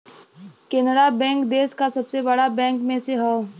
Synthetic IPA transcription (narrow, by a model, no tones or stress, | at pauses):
kenəɾabɛ̃ːŋkd̪eːskasɐbsebɐɽabɛ̃ːŋkmẽseɦɛ